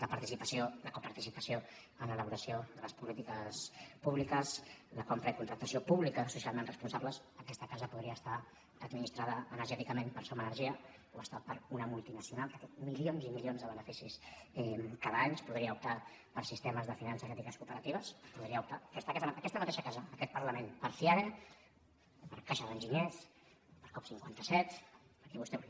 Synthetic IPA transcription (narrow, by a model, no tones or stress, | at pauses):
ləpəɾt̪isipəsioləkopəɾt̪isipəsjo | ənələβuɾəsioðələspulit̪ikəspuβlikəsləkompɾəikunt̪ɾək̚t̪əsiopuβlikəsusialˠmenrəspunsaβləsəkɛst̪əkazəpuðɾiəːst̪a | əd̪minist̪ɾaðəːnəɾʒɛt̪ikəmenpəɾsomənəɾʒiə | oəst̪apəɾunəmulˠt̪inəsiunalˠt̪ək̪ut̪milionzimiʎionzðəβənəfisisɛkaðəaɲspuðɾiəup̚t̪a | pəɾsist̪eməzðəfinansəzɛt̪ikəskupəɾət̪iβəspuðɾiəupt̪ast̪akasməkɛst̪əmət̪eʃəkazəːkɛt̪̚pəɾləmenpəɾfiaðe | pəɾkaʃəðənʲʒiɲɛs | pəɾkɔpsiŋkwant̪əsɛt̪pəɾkɛβust̪ɛ